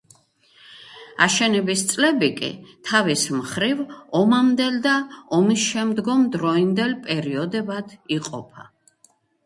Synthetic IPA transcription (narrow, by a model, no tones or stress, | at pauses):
a̰ʃɛnɛbist̪sʼlɛbikʼḭt̪ʰavismχɾivɔmamd̪ɛld̪aɔmisʃɛmd̪ɡɔmd̪ɾɔind̪ɛlpʼɛɾiɔd̪ɛbad̪̥iqʼɔ̰pʰa̰